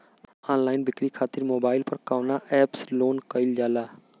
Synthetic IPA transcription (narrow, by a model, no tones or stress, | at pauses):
aːnlaːɪnbɪkɾiːkʰaːt̪ɪɾmoːbaːɪlpəɾkaːnaːʔɛːpsloːnkəɪld͡ʒaːlaː